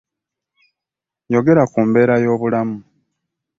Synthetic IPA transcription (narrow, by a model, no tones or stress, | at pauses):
jo̞ɡe̞ɾakuːmbe̞ːɾajo̞ːβulamu